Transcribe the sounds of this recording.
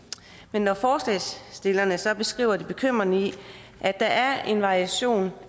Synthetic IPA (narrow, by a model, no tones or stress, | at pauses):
menːɒfɒːslɛsd̥e̝lɐnəsɒ̽b̥e̝sɡ̥ʁḭːʊɐd̥ib̥e̝kʰøm̰ʁɐni | ʔæd̥ɑ̈ʔæɐe̝nʋɑ̈ʁiæɕo̝̰ːn